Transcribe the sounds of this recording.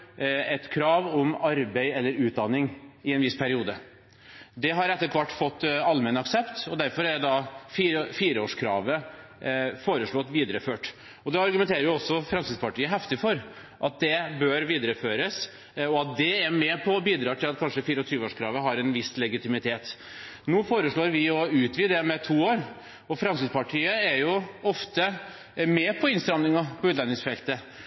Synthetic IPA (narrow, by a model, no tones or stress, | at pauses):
ɛt̪kʰɾɑːʋɔmɑɾbeɪɛlːəɾʉːt̪̚d̪ɑnːɪŋɪɛnʋɪspʰæɾɪuːd̪ə | d̪ɛɦɑɾɛt̪ːəɾkʰʋɑʈːfɔt̪ːɑlmɛnəɑksɛpt̪ɔd̪æɾfɔɾæɖɛd̪ɑfiːɾəfiːɾəoːʂkʰɾɑ̰ːʋə | foːɾəʂɭoːɑt̪ʋiːd̪əɾəføːʈ | ɔd̪ɛɑɾɡʉmɛnt̪ʰeːɾəɾjʊɔsːɔfɾɑnsɪspɑʈʰiːəɦɛft̪ɪfɔɾ | ʔɑt̪̚d̪ɛbœɾʋiːd̪əɾəføːɾəs | ɔɑt̪̚d̪ɛæɾmɛpʰɔbiːd̪ɾɑːʈɪlɑt̪̚kʰɑnʂəfiːɾəɔt̪ʰɾyːʋəoːʂkʰɾɑːʋəɦɑɾɛnʋɪslɛɡɪt̪ɪmɪt̪ʰeːt̪ | nuːfoːɾəʂɭoːɾʋɪɔʉːt̪ʋiːd̪ɛmɛt̪ʰuːoːɾ | ɔfɾɑmskɪd̪pɑʈʰiːəæɾjʊɔft̪ə | mɛpʰɔɪnst̪ɾɑmnɪŋɑpʰɔʉːt̪lɑnːɪŋsfɛlt̪ə